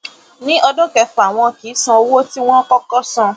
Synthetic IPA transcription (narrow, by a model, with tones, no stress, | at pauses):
nĩ˦ʔɔ˧do˦kɛ˧fa˨w̃ɔ̃˧ki˨˦sã˧o˧wo˦ti˦w̃ɔ̃˦kɔ˦kɔ˦sã˧